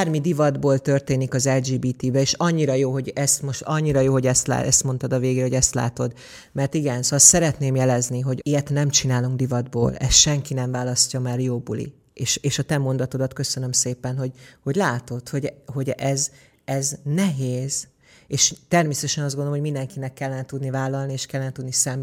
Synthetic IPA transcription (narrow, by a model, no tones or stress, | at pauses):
armid̪ivɒd̪boːlt̪ø̞rt̪eːnikɒzɛld͡ʒiːbiːt̪ibɛeːʃɒɲːiɾɒjoːɦo̞ɟɛst̪mo̞ʃt̪ɒɲːiɾɒjoːɦo̞ɟɛst̪la̰ɛst̪mo̞nt̪ɒd̪ɒveːɡeːhoɟɛst̪la̰ːt̪o̞d̪ | mɛrt̪iɡɛnsoːɒlsɛɾɛt̪neːmjɛlɛzniɦo̞ɟeɛt̪nɛmt͡ʃinaːluŋɡd̪ivɒd̪bo̰ːlɛsʃɛŋkinɛɱvaːlɒscɒmaːrjoːbulḭ | eːʃeːʃɒt̪ɛmo̞nd̪ɒt̪o̞d̪ɒt̪kø̞sø̞nømseːpɛnɦo̞ɟho̞ɟlaːt̪o̞t̪ho̞ɟho̞ɟɛz | ɛznɛɦeːz̥ | eːʃt̪ɛrmeːsɛt̪ɛʃɛnɒzdɡooomːojmind̪ɛŋkinɛkːɛlːɛnɛt̪ud̪nivaːlːɒlnieːʃkɛlːɛnɛt̪ud̪nisɛm